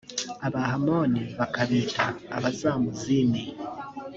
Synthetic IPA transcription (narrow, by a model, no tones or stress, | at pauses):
aβaɦamoniβakaβita̰ːβazamuzini